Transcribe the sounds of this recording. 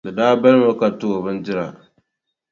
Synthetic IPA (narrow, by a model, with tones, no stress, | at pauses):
dɨ˨daː˦ba˦lɨ˦ŋa˦ka˨to˦o˨bɨ˦ndɪ˦ɾa̰˨